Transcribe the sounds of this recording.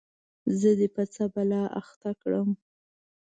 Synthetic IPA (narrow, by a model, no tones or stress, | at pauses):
zəd̪əpat͡sabalɑʔa̰xt̪akɽəm